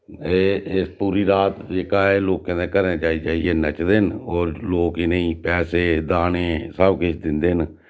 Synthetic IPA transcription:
eːɪspuːɾiːɾaːt̪eːkaːeːloːkkẽnd̪ẽkəɾneːt͡ʃaːiːt͡ʃaːieːnət͡ʃd̪enoːɾloːkɪneĩːpɛːseːd̪aːneːsəbkɪt͡ʃʰd̪ɪnd̪eːɦn

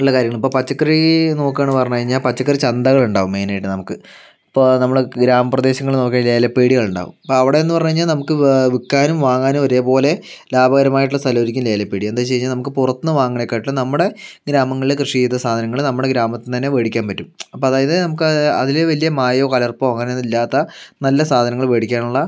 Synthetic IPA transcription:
uɭːɐkaːɾjɐŋːɐɭipːoːpɐt͡ɕːɐkːrino̞ːkːaːɳːɨpɐrɐɲːɻiɲːaːlpɐt͡ɕːɐkːrit͡ɕɐnd̪ɐɣɐɭuɳɖaːʋumːe̞ːnajiʈːɨnɐmukːɨ | ɐpːonɐmːɐɭɡɾaːmɐprɐd̪e̞ːɕɐŋːɐɭno̞ːk̬ːanle̞ːlɐpːeːɽiɣɐɭuɳɖa̰ːʋṵmɐpːoːɐʋiɽe̞enːupɐrɐɲuaːiɲːaːlnɐmukːɨʋikːaːnumʋaːŋːaːnumʋɐɾejɐpo̞ːle̞laːbɐɣɐɾɐmaːjiʈ̬ːuɭːlɐst̪ɐlɐʋɾikʲːumle̞ːlɐpːeːɽied̪aːt͡ɕe̞jiɲːaːlnɐmukːɨpurɐt̪ːɨnːɨʋaːŋːɐɳekːaːʈuːɐnɐmːuɽe̞ɡɾaːmɐŋːɐɭilekrɨʂiejt̪ːɐsaːd̪ʱɐnɐŋːɐɭɨnɐmːuɽeɡɾaːmɐt̪ːint̪ɐnːe̞ʋeːɽikʲːaːnpɐtːumɐpːoːɐðaːjɐðɨnɐmukːɨɐ̰ðileʋɐlijɐmaːjoːkɐlɐrpoɐŋːɐnenːilːaːt̪ːɐnɐlːɐsaːd̪ʱɐnɐŋːɐɭʋeːɽikʲːaːɳuɭːɐ

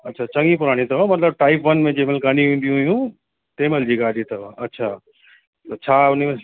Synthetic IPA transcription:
ɐtːɕʰat͡ɕɐ̃ŋɡĩpʊɾaːɽ̃ĩt̪ɐʋamɐt̪ləb̚ʈaːɪpʋɐnmẽd͡ʑeːmɪlkaːñĩʋẽːn̆d̪ijũɦjũ | t̪eːmeld͡ʑiːɡaːɖit̪ɐʋaɐtːɕʰaː | t̪ɐt͡ɕʰaːʊnimẽ

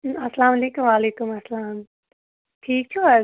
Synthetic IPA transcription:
ɐsɐlaːmɐleːkumʋaːleːkumɐsɐlaːm | ʈʰiːk̚t͡ʃʰua

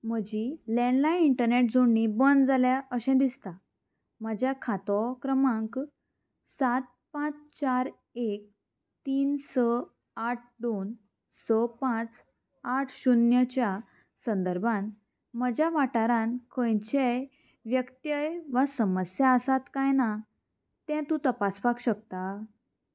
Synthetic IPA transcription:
m̤əd͡ʑilɛ̃nlaiɳʈəɾneʈ̚d͡zuɳnibənd͡zaljaəɕɛ̃d̪ist̪a | məd͡ʑjakʰat̪ɔkɾəmãŋk | sat̪̚pãt͡st͡ɕaɾ | ek̚ | t̪iːnsə | aʈ̚ʰd̪on | səpãt͡s | aʈʰɕunjət͡ɕja | sə̃nd̪əɾbʱãn | məd͡ʑjaʋaʈaɾãnkʰə̃jt͡ɕe | ʋjəkt̪jəjʋasəməsjaəsat̪kajna | t̪ɛ̃t̪ũt̪əpaspakɕəkt̪a

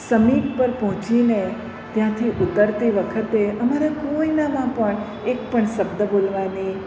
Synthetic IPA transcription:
səmibpəɾpɔɦɔ̃t͡ʃine | t̪jãt̪ʰiʔut̪əɾt̪iʋəkʰət̪eəmaɾakoinamãpəɳ | ek̚pəɳʃəbd̪əbolʋani

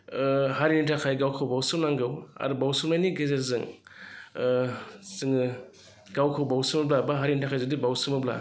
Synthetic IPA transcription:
haɾinitʰakʰajɡawkʰawbawsɯmnaŋɡɯwa̰ɾubawsumajniɡezezɯŋ | sɯŋɯ | ɡawkʰawbawsɯmɯblabaɦaɾinitʰakʰajzɯdibawsɯmɯbla̰

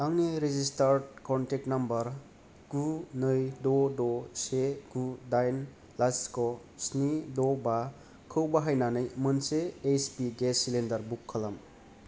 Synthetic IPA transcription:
aŋniɾizistaɾdkɔntek̚tnɐmbɐɾ | ɡ̥unɯjdɔdɔseɡ̥udajn | laskɔ | snidɔba | kʰɯwbaɦajnanɯjmɯnseːspiɡesilendɐɾbukʰːɐlɐm

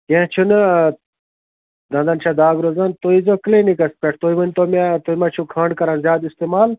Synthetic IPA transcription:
kẽːt͡ʃʰunɐ | d̪ɐ̃nd̪ɐnt͡ʃʰad̪aːɡɾozɐnt̪oizoklenikɐspeʈ̚ʰt̪oimɐnʲt̪omat̪oimɐt͡ʃʰukʰãːɳɖkɐɾãnzʲjaːd̪ist̪emaːl

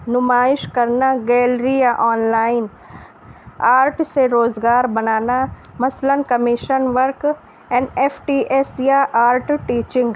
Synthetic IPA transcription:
nʊmaːɪʃkɐɾnaɡɛːlɾijaʔaːnlaːɪn | aːɾʈseɾoːzɡaːɾbɐnaːna | mɐslənkɐmɪʃənʋəɾk | eneːfʈiːʔesjaʔaːɾʈʈiːt͡ʃɪ̃ŋɡ

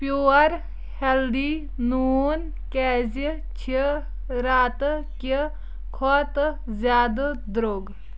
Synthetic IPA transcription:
pjuːɐɾ | held̪i | nuːn | kɛːzi | t͡ʃʰi | ɾaːt̪ki | kʰɔt̪ | zjaːd̪d̪ɾoːɡ

